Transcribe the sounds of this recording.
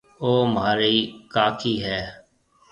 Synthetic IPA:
oːmaːɾiːkaːkʰiːɦɛː

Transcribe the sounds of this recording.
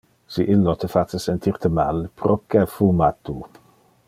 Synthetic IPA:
siʔɪlːot̪ʰəfat͡səsɛnt̪ʰirt̪ʰəma̰lpɾokɛfumat̪u

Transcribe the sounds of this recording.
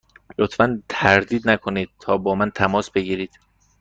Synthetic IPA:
lot̪fænt̪ʰæɾd̪iːd̪nækʰo̞niːd̪̥̚t̪ʰɒːbɒːmænt̪ʰæmɒːsbe̞ɡiːɾiːd̪̥

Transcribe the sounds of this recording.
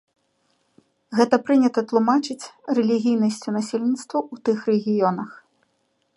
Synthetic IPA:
ɣɛt̪ɐpɾɨnʲɐt̪ɐt̪lˠumat͡ʂɨt͡sʲrɛlʲiɣʲijnɐsʲt͡sʲunasʲelʲnʲit̪st̪vɐut̪ɨxrɛɣʲijɔnɐx

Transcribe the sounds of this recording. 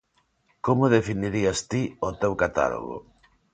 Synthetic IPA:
komoðefiniɾiast̪iot̪ewkat̪a̰lo̰ɣo̰

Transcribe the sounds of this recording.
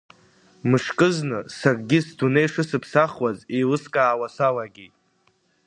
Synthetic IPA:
mɨʂkʼɨznɨsakʼɡʲɪsdʰunejʂɨsɨpʰsaχwazejlɨskʼaːwasawaɡʲitʼ

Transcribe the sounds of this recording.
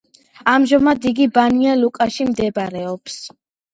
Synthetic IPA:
amʒɔmad̪iɡibanialukʼaʃimd̪ɛbɾɛɔps

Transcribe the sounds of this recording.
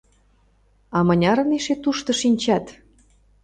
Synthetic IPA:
ɑmɤnʲɑɾə̆niʃet̪uʃt̪ɤ̆ʃinʲt͡ɕɑt̪

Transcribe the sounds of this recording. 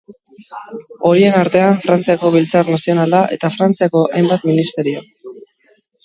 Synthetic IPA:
o̞ɾie̞naɾt̪e̞aɱfɾant͡siako̞β̞ilt͡sarnasio̞nalaʔe̞t̪afɾant͡siako̞ʔajmbat̪minist̪e̞ɾio̞

